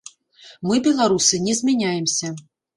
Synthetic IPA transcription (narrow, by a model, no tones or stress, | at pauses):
mɨbʲɛlˠaɾusɨnʲɛzʲmʲɛnʲajɛmsʲɐ